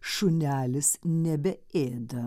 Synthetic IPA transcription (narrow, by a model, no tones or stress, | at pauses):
ʃʊnʲæːlʲɪsnʲɛbʲɛeːd̪ɐ